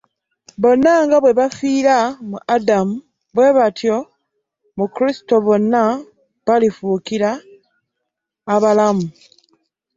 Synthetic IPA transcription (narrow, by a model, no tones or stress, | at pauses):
βo̞nːaŋɡaβwe̞βafiːɾamuʔadamu | bwe̞βatʰjo̞ | mukɾisi̥to̞βo̞nːa | βalifuːkiɾa | βalamu